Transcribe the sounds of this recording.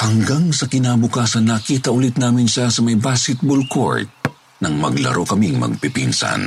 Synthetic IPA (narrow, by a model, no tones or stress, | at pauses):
hɐŋɡaŋsɐkɪnaːbʊkaːsɐnːɐkiːt̪ɐʔʊlit̪̚naːmɪnʃasɐmɐjbaskɛt̪̚bolkʰo̰ɹt̪̚ | nɐŋmɐ̰ɡlɐ̰ɾʔo̞kɐmiŋmɐ̰ɡ̚pɪpinsɐ̰n